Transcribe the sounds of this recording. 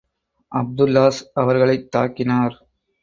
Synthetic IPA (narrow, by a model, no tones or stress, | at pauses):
ʔɐb̚d̪ʊlːaːsɐʋɐɾɣɐɭɐɪt̪ːaːkːɪnaːɾ